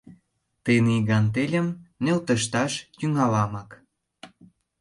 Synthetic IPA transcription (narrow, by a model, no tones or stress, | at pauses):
t̪eniɣɑnt̪elʲə̆mnelt̪ə̆ʃt̪ɑʃt̪yŋɑlɑmɑk